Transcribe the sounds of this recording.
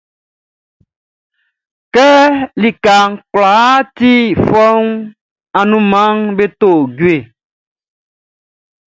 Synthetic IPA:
kɛ˦li˨ka˨ŋ˦kla˨˦t̪i˦fɔ˦ŋ | a˨nũ˦mã˦ŋbe˦t̪o˦˨ɟu˦e˨

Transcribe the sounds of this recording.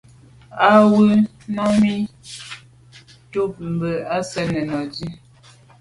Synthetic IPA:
a˦wə˦ | nɔ˦mi˦ | tu˦p̚m̩˨bə˨a˦sɛ˦nɛ˨nɔ˨di˦

